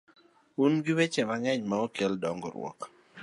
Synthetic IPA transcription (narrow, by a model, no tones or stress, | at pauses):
unɡiwet͡ʃemaŋɛɲmaokeldɔŋɡɔ̰ɾwɔ̰k